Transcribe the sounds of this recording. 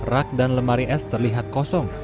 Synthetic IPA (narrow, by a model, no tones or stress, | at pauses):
rak̚danləmaɾiʔɛst̪ərliɦat̪̚kɔsɔŋ